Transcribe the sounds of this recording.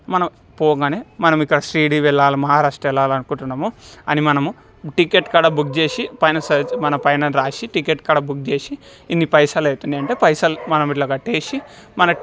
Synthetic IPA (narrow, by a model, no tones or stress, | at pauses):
mɐnɐm | pɔːɡaːneːmɐnɐmikːɐɽɐsɾiːɽiːʋɛɭːaːlumɐɦaːɾaːʂʈɾɐɛlːaːlɐnukuɳʈunːaːmuɐnimɐnɐmu | ʈikeʈkaːɽaːbuk̚d͡ʒe̞ːʃipɐjnɐsɐd͡ʒmɐnɐpɐjnɐnɾaːʃiʈikeʈ̚kaːɽaːbuk̚d͡ʒeːʃiː | nːipɐjsaːleːt̪und̪iɐɳʈe̞ːpɐjsɐlmɐnɐmilɐːɡɐʈːeːʃimɐnɐ